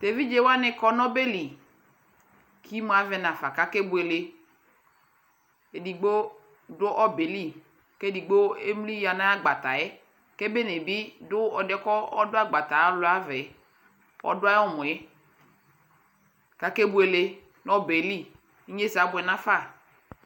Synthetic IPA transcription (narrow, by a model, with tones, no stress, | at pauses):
t̪e˨vi˦d͡ʒe˦wa˦nɪ˦kɔ˦nɔ˦be˦li˨ | kʰi˦mu˦a˨vɛ˨nã˨fa˨ka˨ke˦bu˦e˨le˨ | e˨di˨ɡ͡bo˦ | dʊ˦ʔɔ˦be˨li˦ | ke˦di˨ɡ͡bo˦e˦m˦li˦ja˨nã˦a˦ɡ͡ba˨t̪a˨ɛ˦ | ke˦be˦ne˨bi˦dʊ˦ɔ˨dɛ˦kɔ˦ɔ˦dʊ˦a˦ɡ͡ba˨t̪a˨a˦lʊ˨˦a˦vɛ˨˦ | ɔ̰˦dʊ˦a˦jɔ˦mʊ̃˨ɛ˦ | ka˨ke˦bu˦e˨le˨ | nɔ˦be˨li˦ | ɲe˦sa˨˦bʊ˨ɛ˨nã˦fa˦˨